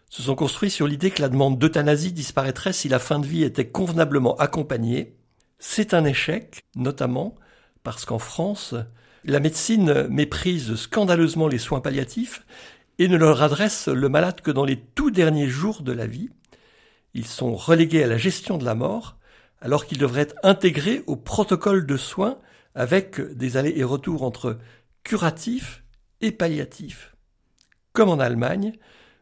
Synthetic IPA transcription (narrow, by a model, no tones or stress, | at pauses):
sə̥s̬ɔ̃kɔ̃st̪χɥisyʁlid̪ekəlad̪əmɑ̃d̪ːot̪anazid̪ispaʁɛt̪χɛsilafɛ̃d̪əviet̪ɛkɔ̃vnabləmɑ̃ʔakɔ̃paɲe | sɛt̪ɛ̃neʃɛknɔt̪amɑ̃ | paʁsə̥kɑ̃fχɑ̃s | lamed̪sinmepχizskɑ̃d̪aløzmɑ̃leswɛ̃paljat̪ʰif | enələʁad̪ʁɛsləmalad̪kəd̪ɑ̃let̪ud̪ɛʁnjeʒuʁd̪əla̰vi | ilsɔ̃ʁəleɡʲealaʒɛst̪jɔ̃d̪əla̰mɔ̰ːʁ | alɔʁkild̪əvʁɛɛt̪χɛ̃t̪eɡʁeʔopχɔt̪ɔkɔld̪əswɛ̃ | avɛkd̪ezaleʔeʁət̪uʁɑ̃t̪χə | kʲʰyʁat̪ʰif | epaljat̪ʰif | kɔmɑ̃nalma̰ɲ